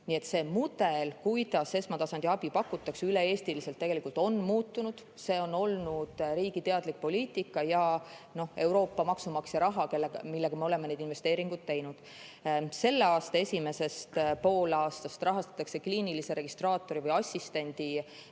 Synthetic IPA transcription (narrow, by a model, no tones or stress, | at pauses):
nie̞t̪se̞ːmud̪e̞lkujt̪ɑse̞smɑt̪ɑsɑnd̪̥iɑbipɑkːˑut̪ːˑɑksyle̞e̞ːst̪ilise̞lt̪ːeɡelikːˑult̪ˑo̞nmuːt̪ːunud̪̥ | se̞ːo̞no̞lnud̪̥ɾiːɡ̥it̪e̞ɑd̪lik̚po̞lʲiːt̪ˑikːˑɑjɑno̞he̞wɾo̞ːpːɑmɑksumɑksjɑɾɑɦɑkelːmilːeɡ̥ɑmeo̞le̞mened̪inve̞st̪e̞ːɾiŋɡ̥ud̪̚t̪e̞jnud̪̥ | se̞lːeɑːst̪ɑe̞sʲime̞se̞st̪po̞ːlɑːst̪ɑst̪rɑɦɑst̪ɑ̥t̪ːˑɑksekliːnilise̞ɾe̞ɡist̪rɑːt̪ːˑo̞ɾivɯjɑsʲːist̪e̞nʲd̪̥i